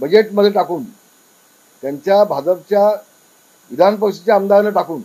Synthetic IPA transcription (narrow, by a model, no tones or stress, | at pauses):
bəd͡ʑeʈməd̪ʱːjeʈakuːn | t̪jaɲt͡ɕjabʱad͡zəpt͡ɕja | ʋid̪ʱanp̬əwɕit͡ɕjaəmd̪aʋləʈakuːn